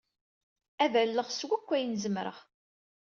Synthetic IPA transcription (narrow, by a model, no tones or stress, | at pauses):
ævælːəʁswækʷːæjənzəmɾə̰ʁ